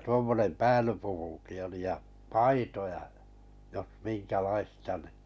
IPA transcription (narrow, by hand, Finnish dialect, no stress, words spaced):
tuomːonem pæːlypukuki oli jɑ pɑitojɑ j̆ɑ jos minkælɑistɑ ni